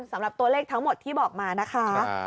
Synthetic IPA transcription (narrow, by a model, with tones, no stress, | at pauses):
nsa˩˦mɾa˨˩p̚t̪u˧ɐleː˥˩k̚t̪ʰa˦˥ŋmo˨˩t̪ʰːiː˥˩bɔː˨˩k̚maː˧na˦˥kʰa˦˥